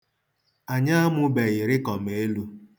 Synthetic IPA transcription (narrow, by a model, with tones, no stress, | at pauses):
a˨ɲa˦a˦mʊ˦be˨ɣɪ˨ɾɪ˦kɔ˨m˦e˦lu˦